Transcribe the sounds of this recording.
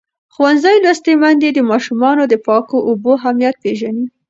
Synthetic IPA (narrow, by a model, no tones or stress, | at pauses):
xuwanzajlast̪emand̪ed̪əmɑʃumɑnod̪əpɑkoʔoboɦamjat̪̚peʒani